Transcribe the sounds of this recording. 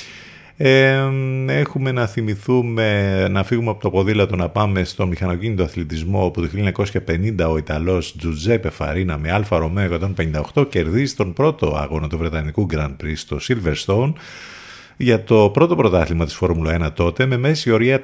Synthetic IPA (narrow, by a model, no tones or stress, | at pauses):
e | e̞xume̞nɐθimiθumenɐfiɣumeɐpot̪ɐpo̞ðilɐt̪o̞nɐpɐme̞st̪o̞mixɐno̞cinit̪oɐθlit̪izmo̞oput̪oçilioɲɐko̞sçɐpe̞nind̪ɐo̞it̪ɐlo̞sd͡zuzepe̞fɐ̰ɾinɐme̞ɐlfɐɾo̞meoekɐt̪o̞npe̞nind̪ɐo̞xt̪o̞ce̞ɾðizist̪o̞npɾo̞t̪o̞ɐ̰ɣo̞nɐt̪uvɾe̞t̪ɐnikuɡɾɐnpɾist̪o̞silveɾst̪on | ʝɐt̪o̞pɾo̞t̪o̞pɾo̞t̪ɐθlimɐt̪i̥sfo̞ɾmuloe̞nɐt̪o̞t̪e̞me̞me̞sio̞ɾiɐ